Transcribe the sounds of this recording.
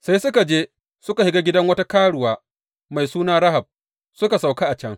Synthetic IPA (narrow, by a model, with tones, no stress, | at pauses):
sa˦jsʊ˦ka˨d͡ʒeː˦ | sʊ˦ka˨hɪ˦ɡaː˦ɡʲɪ˦dɐ˦ŋwɐ˦ta˦kaː˦ɽʊ˨waː˦ | ma˨jsuː˦naː˦ɾa˦ɦa˨b̚ | sʊ˦ka˨sa˨wka˦ʔa˨t͡ʃɐ˦ŋ